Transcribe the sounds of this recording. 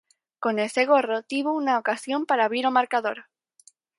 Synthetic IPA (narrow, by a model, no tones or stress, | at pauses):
ko̞ne̞lse̞ɣ̞o̞ro̞t̪iβounaokasjo̞mpaɾaβiɾo̞maɾkaðo̞ɾ